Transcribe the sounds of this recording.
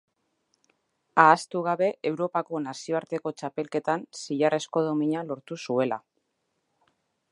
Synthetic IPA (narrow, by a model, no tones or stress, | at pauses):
aːst̪uɣ̞aβe̞ʔewɾo̞pako̞nasio̞aɾt̪e̞ko̞t͡ʃape̞lke̞t̪ansiʎare̞sko̞ðo̞miɲalo̞ɾt̪usue̞la̰